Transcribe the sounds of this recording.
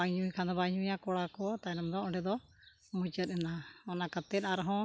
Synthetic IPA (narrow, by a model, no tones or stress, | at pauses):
aɲujkʰand̪ɔbaɲujakɔɽakɔt̪ajnɔmd̪ɔɔɳɖɛd̪ɔ | mut͡ʃəɾˀɛnaɔnakət̪ɛnaɾɦɔ̃